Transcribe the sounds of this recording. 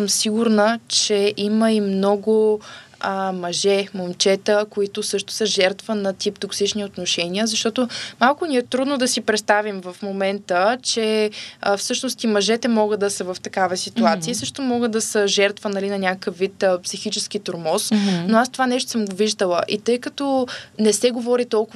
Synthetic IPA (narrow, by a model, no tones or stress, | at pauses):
səmsiɡʊɾnət͡ʃɛʔiməimnɔɡʊəmɐʒɛmomt͡ʃɛt̪əkoit̪ʊsɤʃt̪ʊ̥səʒɛɾt̪vənɐt̪ipt̪oksit͡ʃniot̪noʃɛniəzɐʃt̪ɔt̪omalˠkʊnʲiɛt̪ɾud̪nod̪ɐsipɾɛt̪st̪avimvəfmomɛnt̪ət͡ʃɛəfsɤʃnost̪imɐʒɛt̪ɛmɔɡəd̪ɐsəvɐft̪ɐkavəsit̪uat̪siəsɤʃt̪omɔɡəd̪ɐsəʒɛɾt̪vənɐlinɐnʲakəkəfvit̪əpsixit͡ʃɛskit̪oɾmɔsnoast̪ovanɛʃt̪o̥səmɡoviʒd̪əlˠəʔit̪ɤjkɐt̪ɔnɛsɛɡovɔɾit̪ɔlˠkʊ